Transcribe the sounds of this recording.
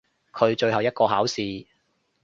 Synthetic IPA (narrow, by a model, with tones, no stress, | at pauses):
kʰɵ˨˧ɥt͡ʃɵ˧ɦɐ˨wjɐ˥t̚kɔː˧ɦaː˨˥wsiː˨